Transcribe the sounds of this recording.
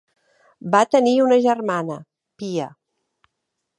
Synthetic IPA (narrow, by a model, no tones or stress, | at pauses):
bat̪əniunəʒərmanə | piə